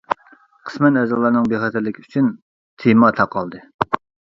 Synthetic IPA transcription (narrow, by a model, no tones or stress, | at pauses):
qʰə̥smɛnɛzɑlˠɑɾnɨŋbeχɛt̪ʰɪlːɪkʲʰiyt͡ʃʰyn | t̪ʰemɑt̪ʰɑqʰːɑlˠd̪ɨ